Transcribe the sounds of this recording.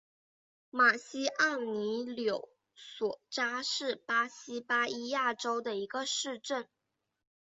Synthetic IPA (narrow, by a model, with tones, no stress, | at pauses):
ma˨˩ɕi˥ʔa˥˩ni˧˥ljo˨˩ʊ | swɔ˨˩ʈ͡ʂa˥ʂɻ̩˥˩pa˥ɕi˥pa˥i˥ja˥˩ʈ͡ʂo˥ʊd̪ə˨i˧˥ɡə˧ʂɻ̩˥˧ʈ͡ʂə˥˩n